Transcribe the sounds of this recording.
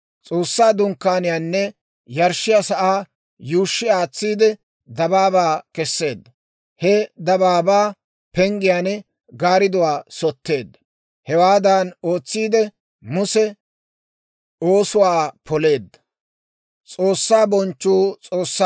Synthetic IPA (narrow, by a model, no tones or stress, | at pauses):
t͡sʼo̞ːsːaːd̪ʊŋkːaːnɪjaːnːɛ | jɐɾʃːɪjasɐʔaː | juːʃːɪaːt͡sːiːd̪ɛ | d̪ɐbaːbaːkɛsːe̞ːd̪ːɐ | hɛd̪ɐbaːbaː | pɛŋɡɪjaːnɛ | ɡaːɾɪd̪ʊwaːsɔt̪ːe̞ːd̪ːɐ | hɛwaːd̪ɐno̞ːt͡sːiːd̪ɛ | mʊsɛ | oːsʊwaːpɔle̞ːd̪ːɐ̥ | t͡sʼo̞ːsːaːbɔnt͡ʃːuːt͡sʼo̞ːsːa